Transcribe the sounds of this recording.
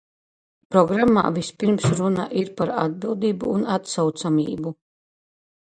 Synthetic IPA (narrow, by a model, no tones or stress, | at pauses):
pɾɔɡɾamːa̰ːvispiɾmsɾuna̰ʔiɾpaɾad̪̚bilˠd̪iːbuːnat̪sawt̪samʲiːbu